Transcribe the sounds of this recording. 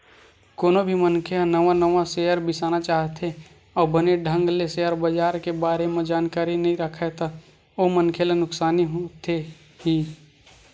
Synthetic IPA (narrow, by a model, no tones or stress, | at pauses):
koːnobʱimənkʰeanəʋãnəʋãseːəɾbɪsaːnat͡ʃaːɦt̪ʰe | ɔːbəneɖʱə̃ŋɡleseəɾbəd͡ʒaːɾkebaːɾemẽd͡ʒaːnkaːɾinɐɦĩɾəkʰet̪a | oːmənkʰelanʊksaːniɦot̪ʰe | ɦiː